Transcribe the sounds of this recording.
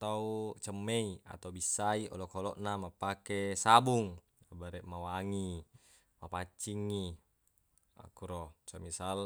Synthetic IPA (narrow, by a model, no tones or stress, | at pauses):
t̪aut͡ʃəmːeia̰t̪aubisːaiʔo̰lokolɔʔnamapakesabuŋ | baɾɛʔmawaŋi | mapat͡ʃːiŋːi | a̰kuɾosamisal